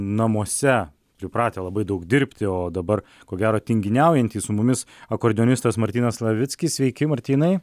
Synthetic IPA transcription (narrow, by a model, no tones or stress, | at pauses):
nɐmuɔsʲɛ | pʲɾʲɪpɾɑːt̪ʲeːlˠɐbɐɪd̪ɐʊkd̪ʲɪɾʲpʲt̪ʲɪoːd̪ɐbɐr | koːɡʲæːɾoːt̪ʲɪŋʲɡʲɪnʲɛˑʊjɛnʲt̪ʲiːssʊmʊmʲɪsɐkoːɾʲd̪ʲɪɔnʲɪst̪ɐsmɐɾʲt̪ʲiːnɐslˠɐʋʲɪt̪sʲkʲɪssʲʋʲɛɪkʲɪmɐɾʲt̪ʲiːnɐɪ